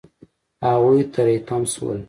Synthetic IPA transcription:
haɣujt̪aɾet̪amswə̰l

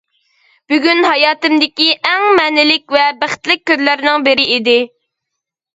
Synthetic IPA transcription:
b̥yɡʲynɦɑjɑːt̪ɪmd̪ɪkʲiʔɛŋmɛnɪlɪkʲvɛbæχt̪lɪk̚ʲʰːøzlæɾnɪŋbɪɾɪid̪ɪ

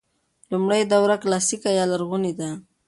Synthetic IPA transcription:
lumɽajd̪awɾaklɑsikajɑlaɾɣunid̪a

